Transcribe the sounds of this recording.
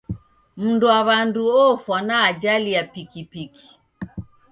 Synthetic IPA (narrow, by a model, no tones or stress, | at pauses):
m̩nduaβanduɔfwanaːd͡ʒaliapikipiki̥